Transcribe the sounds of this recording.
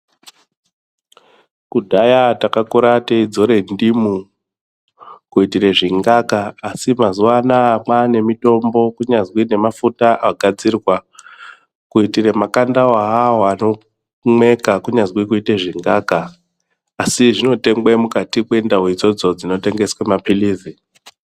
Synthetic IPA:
kudʱajatakakuɾateid͡zo̞ɾe̞ndimu | kuitire̞ʐiŋɡakaːsimazuwanaːmane̞mito̞mbo̞kuɲazwine̞mafutaʔaɡʱad͡zirwa | kuitire̞makandaaɦaɦoano̞ | me̞kakuɲazwikuiteʐiŋɡaːkaː | siʐino̞te̞ŋɡwemukatikwe̞ndaɦwid͡zo̞d͡zo̞d͡zino̞te̞ŋɡe̞swemapiliːzi

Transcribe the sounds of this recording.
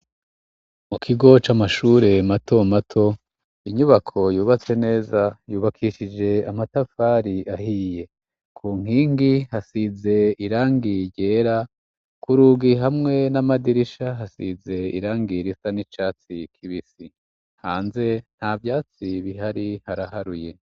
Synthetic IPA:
mukʰiɡo̞t͡ʃamaʃuːɾe̞matʰo̞matʰo̞ | iɲuβakʰo̞juːβat͡se̞ne̞ːzajuːβakʰiʃid͡ʒe̞amatafaːɾiahije̞ | kʰuːŋ̥iːŋɡihasize̞iɾaːŋɡiɾɟe̞ːɾa | kʰuɾuːɡiɦamŋe̞namadiɾiʃaɦasize̞ḭɾaːŋɡiɾisanit͡ʃaːt͡sikʰiβisi | haːnze̞n̥havjaːt͡siβiɦaɾihaɾahaɾuje̞

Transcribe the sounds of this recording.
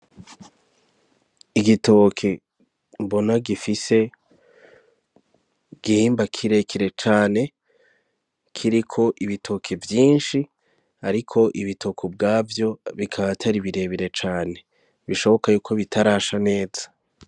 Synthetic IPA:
iɡito̞kʰe | mbo̞naɡifise̞ | ɡ̥ihiːmbakʰiɾe̞kʰiɾe̞t͡ʃaːne̞ | kʰiɾikʰo̞ʔiβitʰo̞kʰevjiːnʃi | aɾikʰo̞ʔiβitʰo̞kʰobɡaːvjo̞βikʰaβatʰaɾiβiɾe̞βiɾe̞t͡ʃaːne̞ | βiʃo̞βo̞kajuːkʰo̞βitʰaɾaːʃane̞ːzḁ

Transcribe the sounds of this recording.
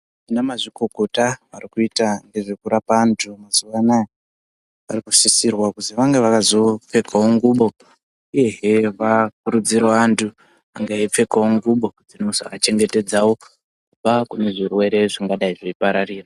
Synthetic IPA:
ʐinamaʐiko̞ko̞taʋarikuitaŋɡe̞ʐe̞kuɾapantʰumazuʋanaja | ʋa̰rikusisirwakuziʋaŋɡe̞ʋakazo̞p͡fe̞kʰawoŋɡuɓo̞ | ije̞ɦeʋakuɾud͡ziɾaʋantʰu | aŋɡaip͡fe̞kawoŋɡuɓo̞d͡zinoza̰t͡ʃe̞ŋɡe̞te̞d͡zawo̞ | kuɓakune̞ʐirwe̞ɾe̞ʐaŋɡaɗaiʐeipaɾariːra

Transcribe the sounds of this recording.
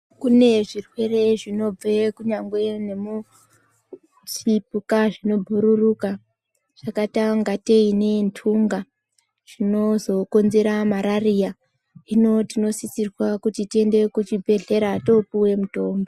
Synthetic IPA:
kune̞ʐirwe̞re̞ʐino̞b͡vekuɲaŋɡwe̞ne̞mu | t͡sipukaʐino̞bʱuɾuruka | ʐ̥akataŋɡateine̞ntʰuŋɡa | ʐ̥ino̞zo̞ko̞nze̞ɾamaɾarija | ino̞tino̞sit͡sirwakutitie̞nde̞kut͡ʃibʱe̞ɮe̞ɾato̞puwe̞muto̞ːmbo

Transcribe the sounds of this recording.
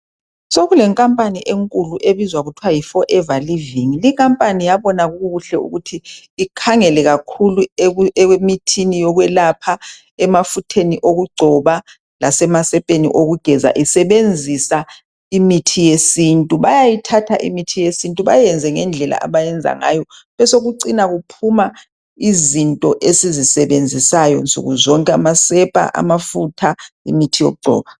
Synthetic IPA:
soɣulɛŋkʼampʼaniʔeŋkʼuluʔeβizwaɣutʰuwajifɔʔɛvaliviŋilikʼampʼanijaβɔnaɣuɣuɣuɬɛṵɣutʰiː | kʰaŋɛlɛɣakʰuluɛwemitʰinijɔɣwɛlapʰa | ɛmafutʰeniʔoɣuɡ͡ǀʱɔβa | lasɛmasɛpʼenḭʔoɣuɡ̥ʱɛza̰ʔisɛβend͡zʱisa | imitʰijesintʼuβajajitʰatʰaʔḭmitʰijesintʼuβajɛnd͡zʱɛŋɛnd͡ɮʱɛla̰ʔa̰βajɛnd͡zʱa̰ŋa̰jɔ | βɛsoɣuǀinaɣupʰuma | izintʼɔʔesizisɛβend͡zʱisajɔ̰nsṵɣuzɔŋkʼɛa̰masɛpʼa̰ʔa̰mafutʰaḭmitʰijo̰ɣuɡ͡ǀʱɔ̰ːβa

